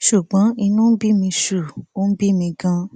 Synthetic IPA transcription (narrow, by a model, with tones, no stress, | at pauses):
ʃu˨ɡ͡bã˨˦i˧nũ˦bi˦˨mĩ˧ʃu˨o˦bi˦˨mĩ˧ɡã˦